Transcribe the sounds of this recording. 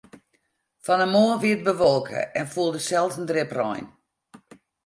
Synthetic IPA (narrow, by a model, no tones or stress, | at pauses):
fɔnəmoːəʋiət̚bəʋɔlˠkʰə̰ɛnfuəlˠdəsɛlˠtn̩drɪprɔ̰jn